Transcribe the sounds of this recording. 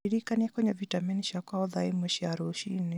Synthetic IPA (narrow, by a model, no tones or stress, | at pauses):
iɾikaniakwɛɲɛvitamɛniʃakaɔðaimɔʃiaɾuʃini